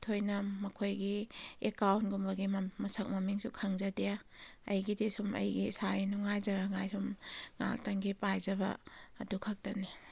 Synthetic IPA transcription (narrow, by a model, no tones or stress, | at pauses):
tʰojnɐmɐkʰojɡiekawntɡumbɐɡimɐsɐk̚mɐmiŋsukʰɐŋzɐdejaɐ̰jɡidesumɐ̰jɡisajinuŋajzɐɾaŋajsumŋa̰ltɐŋɡipajzɐbɐ̰ːdukʰɐk̚tɐni